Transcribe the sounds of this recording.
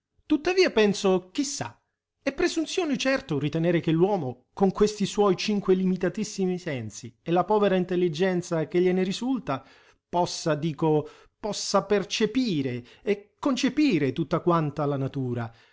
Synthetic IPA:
t̪ut̪ːaviːapɛnsok̟isːa̰ | ɛpːɾezunt̪sjɔːnit͡ʃɛrt̪ʊrit̪ɛnɛːɾekelːwɔːmo | koŋkwest̪iswɔjt͡ʃiŋkwelimit̪at̪isːimisɛnsiɛlapɔːveɾaint̪elːid͡ʒɛnt̪sak̟eʎːeneɾizult̪a | pɔsːad̪iːko | pɔsːapert͡ʃepiːɾe | ɛkːont͡ʃepiːɾet̪ut̪ːakwant̪alanat̪uːɾa

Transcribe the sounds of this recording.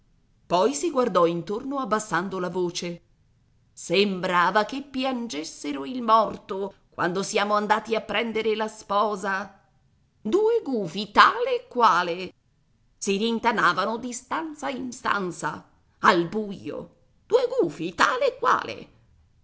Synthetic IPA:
pɔjsiɡward̪ɔint̪ornoabːasːand̪olavoːt͡ʃe | sembɾaːvakepːjand͡ʒesːeɾoilmɔrt̪okwa̰nd̪osiaːmoand̪aːt̪iapːɾɛnd̪eɾelaspɔːza | d̪uːeɡuːfit̪aːleːkːwaːle | siɾint̪anaːvanod̪ist̪ant̪sainst̪a̰nt̪sa̰ | albujo̰ | d̪̥uːeɡuːfit̪aːleːkːwa̰ːlḛ

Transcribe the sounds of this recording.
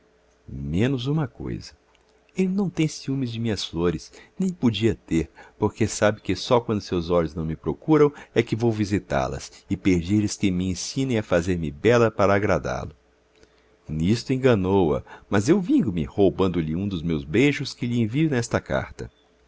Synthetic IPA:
mẽnʊzũmɐko̰jzɐ | elɪnɐ̃w̃t̪ẽj̃siũmɪzd͡ʒɪmĩɲɐsfloɾɪsnẽj̃pod͡ʒiɐt̪eɾpoɾkesabɪkɪsɔkwɐ̃nd̪ʊsewzɔʎʊznɐ̃w̃mɪpɾokuɾɐ̃w̃ɛkɪvowvizit̪a̰ɾlɐ̰sɪpeɾd͡ʒiɾlɪskɪmɪẽsĩnẽj̃afazeɾmɪbɛlɐpaɾɐːɡɾad̪a̰ɾlʊ | nist̪ʊẽɡɐnowɐ̰mɐzewvĩŋɡʊmɪ̰howbɐ̃nd̪ʊlɪũd̪ʊzmewzbejʒʊskɪʎɪẽviʊnɛst̪ɐka̰ɾt̪ɐ̰

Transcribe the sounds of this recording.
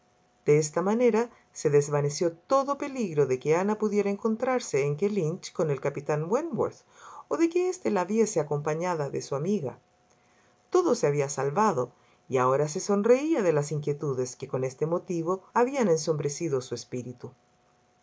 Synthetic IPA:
d̪̥eest̪amaneɾa | se̞ðezβanesjo̞t̪o̞ðo̞pe̞liɣɾoðe̞keanapuðje̞ɾaeŋko̞nt̪ɾaɾseːŋkelint͡ʃko̞nelkapit̪anwenwo̰ɾθ | oðekeest̪elaβje̞seako̞mpaɲaðaðesuamiɣa̰ | t̪oðoseaβiasalβaðo̞ | iaoɾas̬e̞so̞nreiaðe̞lasiŋkje̞t̪uðeske̞ko̞ne̞st̪e̞mo̞t̪iβ̞o̞aβianenso̞mbɾe̞siðosuespiɾit̪u

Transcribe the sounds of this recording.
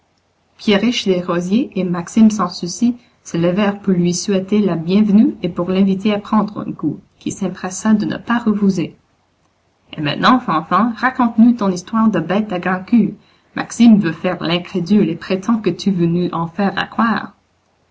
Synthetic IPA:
pjeʁiʃd̪eʁozjeʔemaksimsɑ̃susi | sələvɛːʁpuʁlɥisɥɛt̪elabjɛ̃vnyepuʁlɛ̃vit̪eapχɑ̃d̪ʁɛ̰̃kukʲḭsɛ̃pχɛsad̪ənə̰paʁəpuze | ḛmɛ̰̃t̪nɑ̃fɑ̃fɑ̃ʁakɔ̃t̪nut̪ɔ̃nist̪waːʁd̪əbɛt̪aɡʁɑ̃ky | mʔa̰ksimvøfɛːʁlɛ̃kχed̪ylepχet̪ʰɑ̃kət̪yvønuʔɑ̃fɛːʁa̰kχwaːʁ

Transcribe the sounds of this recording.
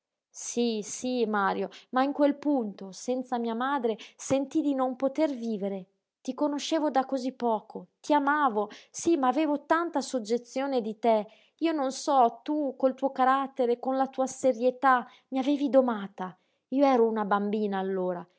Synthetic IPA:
sisimaːɾjomaiŋkwelpunt̪osɛnt̪samiːamaːd̪ɾesent̪id̪inompot̪erviːveɾe | t̪ikonoʃeːvod̪akːozipːɔːkʰot̪iamaːvosimaːveːvot̪ant̪asod͡ʒːet̪sːjoːned̪it̪e | iːononsɔt̪ukolt̪uːokaɾat̪ːeɾekonlat̪uːaseɾjet̪a | miaveːvid̪omaːt̪a | iːoɛːɾounabambiːnaːlːoːɾa

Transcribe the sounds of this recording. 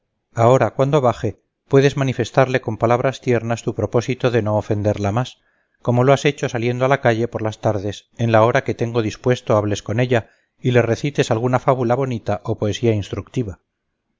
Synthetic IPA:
ao̞ɾakwand̪o̞βaxe̞ | pwe̞ðe̞zmanife̞st̪aɾle̞ko̞mpalaβ̞ɾast̪je̞ɾnast̪upɾo̞po̞sit̪o̞ðe̞no̞ːfe̞nd̪e̞ɾlamas | ko̞mo̞lo̞ase̞t͡ʃo̞salje̞nd̪oalakaʎe̞po̞ɾlast̪aɾðe̞se̞nlao̞ɾake̞t̪e̞ŋɡo̞ðispwe̞st̪o̞aβle̞sko̞ne̞ʎa | ile̞re̞θit̪e̞salɣ̞unafaβulaβo̞nit̪aʔopo̞e̞siainst̪ɾuk̚t̪iβa

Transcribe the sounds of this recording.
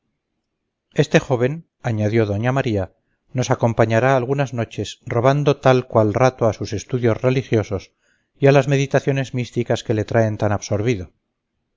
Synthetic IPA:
e̞st̪e̞xo̞β̞e̞n | aɲaðjo̞ðo̞ɲamaɾia | no̞sako̞mpaɲaɾaːlɣ̞unazno̞t͡ʃe̞sro̞β̞and̪o̞t̪alkwalrat̪oasuse̞st̪uðjo̞zre̞lixjo̞so̞s | ialazme̞ðit̪aθjo̞ne̞zmist̪ikaske̞le̞t̪ɾae̞nt̪anaβso̞ɾβiðo̞

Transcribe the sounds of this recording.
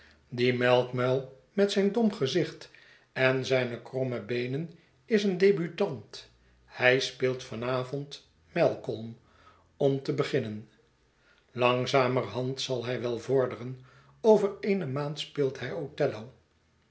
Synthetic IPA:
dimɛlˠkmœlˠ | mɛtsɛjndɔmχəzɪχt | ɛnzɛjnəkrɔməbejnən | ɪsəndejbytɑnt | hɛjspɪːlˠtfɑnaːvɔnt | mɛlˠkɔlˠm | ɔmtəbəχɪnən | lɑŋzaːmərɦɑntsɑlˠɦɛjʋɛlˠvʊɹdərən | owvəreːnəmaːntspɪːlˠtɦɛjotɛlow

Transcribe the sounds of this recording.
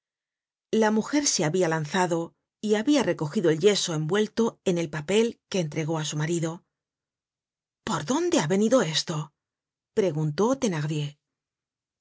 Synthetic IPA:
lamuxe̞ɾse̞aβialanθaðo̞ | iaβiare̞ko̞xiðo̞e̞lʎe̞so̞e̞mbwe̞lt̪o̞e̞ne̞lpape̞lke̞ːnt̪ɾe̞ɣo̞asumaɾiðo̞ | po̞ɾðo̞nd̪e̞aβe̞niðo̞e̞st̪o̞ | pɾe̞ɣunt̪o̞t̪e̞naɣðje̞

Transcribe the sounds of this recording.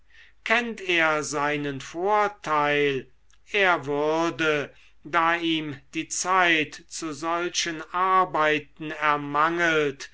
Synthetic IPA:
kʰɛnteːɐzaɪnənfoːɐtʰaɪl | ʔeːɐvʏʁdə | daːiːmd̥iːt͡saɪtt͡suzɔlʃənʔaɐbaɪtn̩ɛɐmaŋəlt

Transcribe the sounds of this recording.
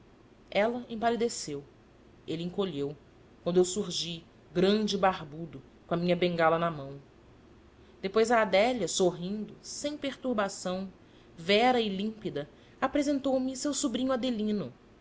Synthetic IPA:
ɛlɐḛ̃palid̪esew | elɪĩŋkoʎew | kwɐ̃nd̪ʊewsuɾʒi | ɡɾɐ̃d͡ʒɪbaɾbud̪ʊ | kõɐmĩɲɐbẽŋɡalɐnɐmɐ̃w̃ | d̪epojzɐːd̪ɛʎjɐsoɦĩnd̪ʊsẽj̃peɾt̪uɾbasɐ̃w̃ | vɛɾɐɪlĩpid̪ɐ | apɾezẽnt̪owmɪsewsubɾĩɲʊad̪elĩnʊ

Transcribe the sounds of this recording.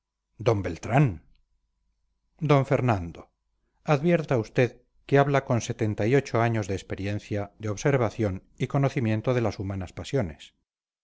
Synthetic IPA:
d̪o̞mbe̞lt̪ɾan | d̪o̞ɱfe̞ɾnãnd̪o | aðβje̞ɾt̪aust̪e̞ð | keaβlako̞nse̞t̪e̞nt̪ajo̞t͡ʃo̞aɲo̞zðeːspe̞ɾjẽ̞n̟θjad̪eo̞βse̞ɾβ̞aθjo̞n | iko̞no̞θimjẽ̞nt̪oðe̞lasumanaspasjo̞ne̞s

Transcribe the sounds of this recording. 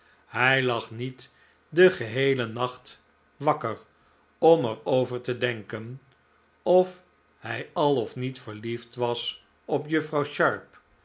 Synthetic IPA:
hɛjlɑχnit | dəχəɦejlənɑχt | ʋɑkəɹ | ɔmɛɹowvəɹtədɛŋkən | ɔf | hɛjɑlˠɔfnitfəɹliftʋɑs | ɔpjɵfrɑwʃɑɹp

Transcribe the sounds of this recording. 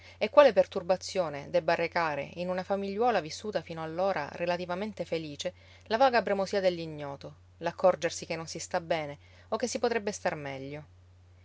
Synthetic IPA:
ekːwaːlepert̪urbat̪sːjoːned̪ɛbːarːekaːɾḛinunafamiʎːwɔːlavisːuːt̪afiːnoalːoːɾa̰ɾrelat̪ivament̪efeliːt͡ʃe | lavaːɡabɾemosiːad̪elːiɲːɔːt̪o | lakʰːɔrd͡ʒersikenːonsist̪abɛːne | okːesːipot̪ɾɛbːest̪armɛʎːo

